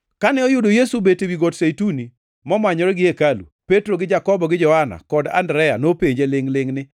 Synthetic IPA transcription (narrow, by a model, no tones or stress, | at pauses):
kanɛɔjʊdojesubetewiɡotsejtuni | mɔmaɲɔɾɛɡɪekalṵpetɾoɡɪd͡ʒakɔbɔɡɪd͡ʒɔhana̰kɔda̰ndɾɛja̰nopeɲd͡ʒelɪŋlɪŋnɪ